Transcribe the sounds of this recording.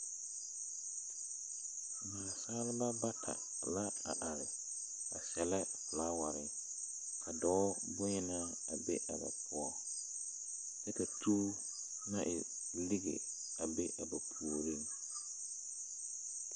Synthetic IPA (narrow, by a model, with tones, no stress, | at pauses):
maː˨saː˦lɪ˦ba˦ba˦tʰa̰˨ | la˦ | a̰˨ʔa˨ɾɪ˨ | a̰˨sɛ˨lɛ˦pʊ˨laː˦wa˨ɾɪ˨ | kʰa˨dɔː˨˦bʊ˦ɲɪ˦na˦ | a˨bḛ˦ʔa˨ba̰˨pʰʊ˦ɔ˦ | tɛ˦ka˨tʰuː˦ | nã˦ʔɪ˨ | li˦ɡḛ˨ | a˨be˦ʔa˨ba˨pʰu˨o˨ɾi˦˨ŋ